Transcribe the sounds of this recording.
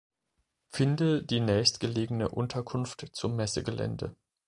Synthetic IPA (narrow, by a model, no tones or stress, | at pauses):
fɪndədiːnɛːçstɡ̥əleːɡənəʔʊntʰɐkʰʊnftt͡sʊmːɛsəɡəlɛ̰ndə̰